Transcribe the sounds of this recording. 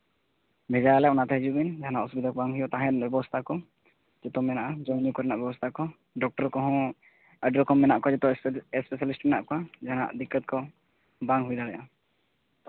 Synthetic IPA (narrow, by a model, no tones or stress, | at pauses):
bʱɛd͡ʒajalɛɔnat̪ɛɦɛd͡ʒubind͡ʒaɦanaʔusubid̪akɔbaŋɡɦujɔt̪ãɦɛ̃bɛbɔst̪ʰakɔ | d͡ʒɔt̪ɔmɛnaʔad͡ʒɔ̃ɲukɔɾɛnaʔabɛbɔst̪ʰakɔ | ɖɔk̚ʈɔɾkɔɦɔ̃ | ɛɖɾɔkɔmɛnaʔkɔad͡ʒɔt̪ɔɛspɛsalisʈmɛnaʔkɔad͡ʒaɦana̰ʔd̪ikːət̪̚kɔ | baŋɦujd̪aɽɛja